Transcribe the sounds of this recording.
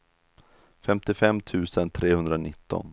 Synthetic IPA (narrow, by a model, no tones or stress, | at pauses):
fɛmt̪ɪfɛmːt̪ʰʉ̟ːsənt̪ʰɾeːhɵnd̪ɾanɪt̪ːɔ̰n